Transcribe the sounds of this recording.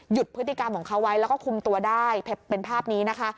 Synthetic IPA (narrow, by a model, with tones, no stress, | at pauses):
ju˨˩t̪̚pʰɯ˦˥t̪ːi˨˩ka˧mkʰɔː˩˦ŋkʰa˦˥wa˦˥jlɛː˦˥wkɔː˥˩kʰu˧mt̪u˧ɐdaː˥˩jpʰeː˦e˧npʰaː˥˩p̚niː˦˥na˦˥kʰa˦˥